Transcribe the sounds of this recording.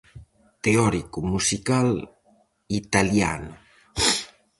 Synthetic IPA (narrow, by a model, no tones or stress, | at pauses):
t̪eɔɾikumusikal | it̪alja̰nu